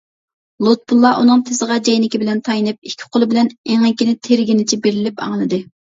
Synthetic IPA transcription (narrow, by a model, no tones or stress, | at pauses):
lˠot̪̚bulˠːɑʔunɨŋt̪ʰɪsəʁɑd͡ʒɛjnɪkʲibɪlɛnt̪ʰɑjnɨp̚ikʲʰːɪ̥qʰolˠɨbɪlɛneŋɛkʲinɪt̪ʰeɾɡʲinɪt͡ʃʰibeɾɪlɪpɑ̰ŋlˠɨd̪ɨ